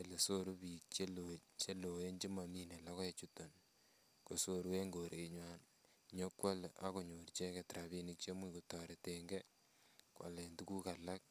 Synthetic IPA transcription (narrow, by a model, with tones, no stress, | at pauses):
e˨le˨so˦ɾu˦pi˨k̚t͡ʃe˦lot͡ʃe˦lo˨e˦nt͡ʃi˦ma˨mi˦ne˨la˦kɔ˦je˦t͡ʃu˦to˨n | ko˨so˦ɾu˦we˦ŋɡo˨ɾʔe˨ɲwan | ɲo˦kwa˦la̰˦ko˨ɲo˨ɾt͡ʃe˦ke˨tɾa˨βi˦ni˨k̚t͡ʃe˦mu˦ku˨tɔ˨ɾe˨teŋɡe˦ | kwa̰˨le˨ntu˦ku˦ka˨la˦k̚